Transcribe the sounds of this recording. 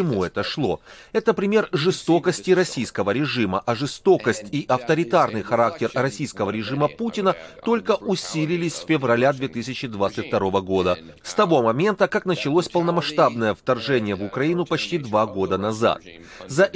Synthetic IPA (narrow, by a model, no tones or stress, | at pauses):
ɪmuɛt̪əʂlˠo̞̰ɛt̪əpɾʲɪmʲe̞rʐɨst̪o̞kəsʲtʲɪɾɐsʲijskəvəɾʲɪʐɨməʔɐʐɨst̪o̞kəsʲtʲiʔɐft̪əɾʲɪt̪arnɨjxɐɾak̚tʲɪrrɐsʲijskəvəɾʲɪʐɨməputʲɪnət̪o̞lʲkəʔʊsʲilʲɪlʲɪsʲfʲɪvrɐlʲad̪vʲe̞t̪ɨsʲɪt͡ɕɪd̪vat̪sɨtʲft̪ɐɾo̞vəɡo̞d̪ə | st̪ɐvo̞mɐmʲe̞nt̪əkaknət͡ɕɪlˠosʲpəlˠnəmɐʂt̪abnəjəft̪ɐrʐɛnʲɪjəvʊkɾɐinʊpɐt͡ɕtʲid̪vaɡo̞d̪ənɐza̰t̪̚ | zɐʔ